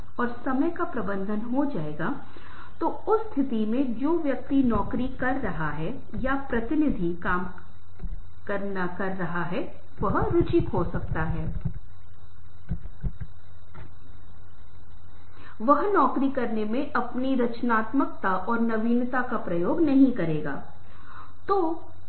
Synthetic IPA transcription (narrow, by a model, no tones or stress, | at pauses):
ɔːɾsɐməjkapɾɐbə̃nd̪ʱənɦod͡ʒaːeːɡa | t̪o | ʊsːt̪ʰɪt̪imẽd͡ʒoːʋjɐk̚t̪inɔːkɾikɐɾːɐɦaɦɛ | japɾɐt̪ɪnɪd̪ʱikaːm | kɐɾnakɐɾːɐɦaɦɛ | ʋɐɦɾʊt͡ʃɪkɦosɐk̚t̪aɦɛː | ʋɐɦnɔːkɾikɐɾnemẽʔɐpniɾɐt͡ʃnaːt̪mək̚t̪aʔɔːɾnɐʋiːnt̪akapɾɐjoːɡnɐɦĩkɐɾeːɡa̰ː | t̪oː